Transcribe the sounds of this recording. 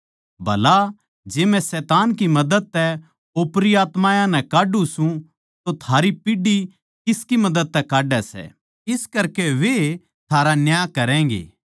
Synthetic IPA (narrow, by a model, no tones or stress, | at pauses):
bʱɐla | d͡ʒeːmɛ̃sɛːt̪aːnkimɐd̪əd̪̚t̪ɛ | oːpɾiaːt̪mãːjãnɛ̃kaːɖũsũ | t̪ot̪ʰaːɾipiɖi | kɪskimɐd̪əd̪̚t̪ɛkaːɖɛsɛ̰ | ɪskɐɾkeʋe | t̪ʰaːɾanjaːjkɐɾɛ̃ːŋɡḛː